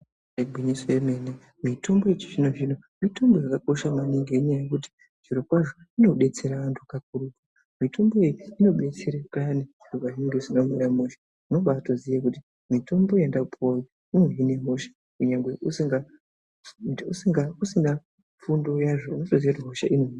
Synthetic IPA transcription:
eɡʱwiɲisojeme̞ne | mitʰo̞mbo̞jet͡ʃiʐino̞ʐino̞ | mito̞mbo̞jakako̞ʃamaniŋɡeeɲajekut̬i̥ | ʐiɾokwaʐo̞ | ino̞ɓe̞t͡se̞ɾaʋantʰukak̚uɾuka | mitʰo̞mboejiino̞ɓe̞t͡seɾekaneʐirokwaʐineŋɡesinomweɾamoʃḁ | uno̞ɓatozijak̬uti | mito̞mbo̞jendakupʰoji | ineine̞ɦo̞ʃḁ | kuɲaŋɡwe̞ʔusiŋɡa | usiŋɡausina | fundo̞jaʐounotozijakutiɦo̞ʃaʔino

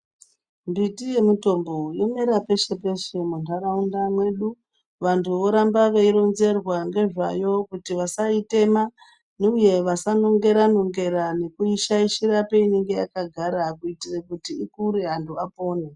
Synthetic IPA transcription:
mbitije̞muto̞mbo̞jomeɾape̞ʃe̞pe̞ʃemuntʰaɾaundamwe̞ɗu | ʋantʰuʋo̞ɾambaʋeiɾo̞nze̞rwaŋɡe̞ʐajo̞kutiʋasaite̞ma | neuje̞ʋasano̞ŋɡe̞ɾano̞ŋɡe̞ɾane̞kuiʃaiʃirape̞iniŋɡe̞jakaɡʱaɾakuitirekutiːkuɾiɦantuapo̞ːne

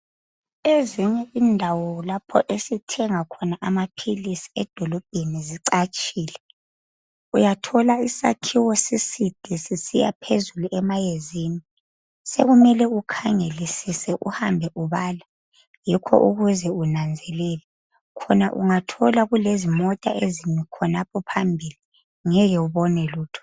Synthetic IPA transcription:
eziɲɛiːndʱawɔlapʰɔ̰ʔesitʰɛŋakʰɔnaʔamapʰilisi̥ɛd̥ʱɔlɔb̥̚ʱeniziǀat͡ʃʼiːlɛ | ujatʰɔlaisa̰kʰiwɔsisid̥ʱisisija̰pʰezuluʔɛmajezini | seɣumɛlɛukʰaŋelisisɛʔṵhambʱɛʔuβaːla | jikʰɔ̰ʔṵɣuzɛunand͡zʱɛlɛlɛ | kʰɔnaʔṵŋatʰɔlaɣulezimɔtʼa̰ʔezinɛkʰɔnapʰɔpʰambʱili | ŋɛjɛuβɔnɛluːtʰɔ̥

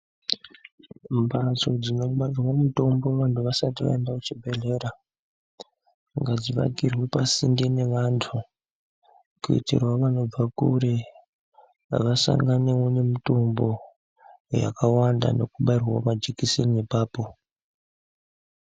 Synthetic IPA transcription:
mbʱat͡so̞d͡zino̞ɡ͡bad͡zwamuto̞mbo̞ʋantʰuʋasatiʋa̰endakut͡ʃibʱe̞ɮe̞ɾa | ŋɡad͡ziʋa̰ɡʱirwepasindine̞ʋantʰu | kuḭtḭrwaʋano̞b͡vakṵɾe | ʋasa̰ŋɡanewone̞mito̞mbo̞ | ja̰kawanda̰no̞kuɓairrwamad͡ʒikisiniepaːpo̞

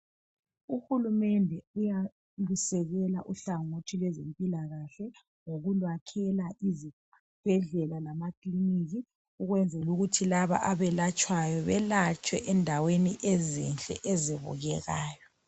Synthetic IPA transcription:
uhulumɛndʱɛuja | lusɛɣɛlaʔuɬaŋotʰilwɛzempʼilaɣaɬɛ | ŋoɣulwakʰɛlaʔizi | b̥ʱɛɮɛlalamakʰʼliniɣi | uɣwɛnd͡zʱɛluɣutʰilaβa̰ʔaβɛlat͡ʃʼwajɔβɛlat͡ʃʼwɛʔɛndʱaweniʔezḭnt͡ɬʼɛ̰ʔɛziβṵɣɛɣaːjɔ

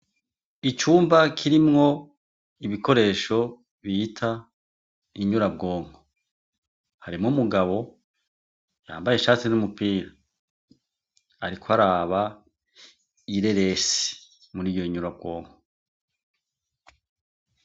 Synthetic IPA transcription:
it͡ʃuːmbakʰiɾimŋo̞ | iβikʰo̞ɾe̞ːʃo̞ | βitʰa | iɲuɾab̚ɡo̞ːŋho | haɾimŋumuɡaβo̞ | ja̰ːmbaje̞ʃaːt͡sinumupiːɾa | ɾikwoaɾaːβa | iɾe̞ɾe̞si̥ | muɾiːjo̞iɲuɾab̚ɡo̞ːŋɡo

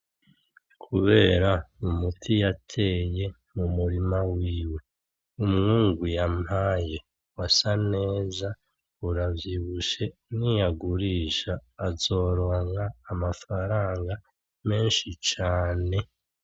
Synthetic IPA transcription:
kʰuβe̞ːɾaumutʰijatʰe̞je̞ | mumuɾimawiːwe̞ | umŋuːŋɡwijamhaːje | wasane̞ːza | uɾavjiːβuʃe̞nijaɡuɾiːʃaːzo̞ːɾoŋaːmafaɾaːŋɡa | me̞ːnʃit͡ʃaːne̞

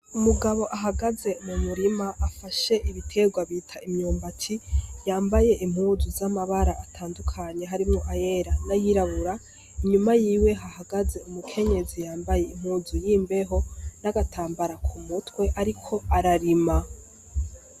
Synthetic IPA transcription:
umuɡaβo̞ʔaɦaɡaze̞mumuɾimaʔafaʃe̞ʔiβitʰe̞ɡwaβiːtʰaʔimɲuːmbat͡ʃʰijaːmbaje̞ʔim̥huːzuzamaβaɾaʔatʰaːndukʰaɲe̞ɦaɾimŋoʔaje̞ɾanajiɾaβuɾa | iɲumajiːwe̞ɦahaɡaze̞umukʰe̞ɲe̞zijaːmbaje̞im̥huːzujiːmbe̞ɦo̞naɡatʰaːmbaɾakʰumutwe̞ʔaɾikʰo̞aɾaɾima

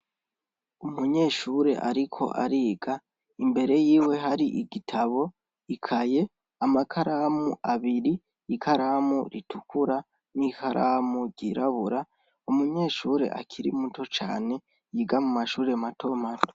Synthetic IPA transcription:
umuɲe̞ːʃuːɾe̞̰ʔa̰ɾikʰo̞̰ʔa̰ɾiːɡa | imbe̞ɾe̞jiːwe̞ɦaɾiʔiɡitʰaβo̞ | ikʰaje̞ | amakʰaɾamuʔaβiɾiː | kʰaɾamṵɾitukuɾa | nikʰaɾʔamuɟiɾaβuɾa | umuɲe̞ːʃuːɾe̞̰ʔa̰kʰiɾḭmuto̞t͡ʃa̰ːne̞ | jiːɡamumaʃuːɾe̞matʰo̞mato̥

